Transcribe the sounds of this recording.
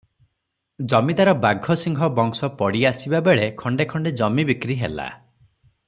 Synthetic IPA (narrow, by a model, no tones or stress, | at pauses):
d͡ʒɔmid̪aɾɔbaɡʱɔsiŋɡʱɔbɔŋsɔpɔɽiasibabeɭekʰɔɳɖekʰɔɳɖed͡ʒɔmibikɾiɦḛla̰